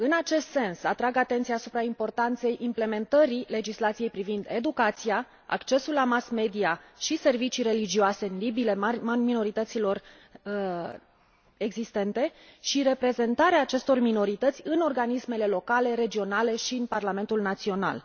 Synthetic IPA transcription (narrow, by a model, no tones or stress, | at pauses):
ɨnat͡ʃe̞st̪se̞nsat̪ɾaɡat̪e̞nt̪siaːsupɾaimpo̞rt̪ant̪se̞jʔimple̞me̞nt̪əɾile̞d͡ʒislat̪sije̞jpɾivind̪e̞d̪ukat̪sija | a̰kt͡ʃe̞sulːamasme̞d̪iaʃise̞rvit͡ʃijɾe̞lid͡ʒioase̞nlibile̞mino̞ɾit̪ət̪silo̞r | e̞ɡzist̪e̞nt̪e̞ʃiɾe̞pɾe̞ze̞nt̪aɾeaːt͡ʃe̞st̪o̞rmino̞ɾit̪ət̪sʲɨno̞rɡanisme̞le̞lo̞kale̞ɾe̞d͡ʒio̞nale̞ʃiɨnparlame̞nt̪ulnat̪sio̞na̰l